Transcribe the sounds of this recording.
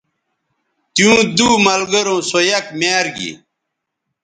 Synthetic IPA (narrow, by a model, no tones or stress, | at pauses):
t̪jũːd̪uːmɐlɡɐɾõːsojɐkmaːɾɡḭ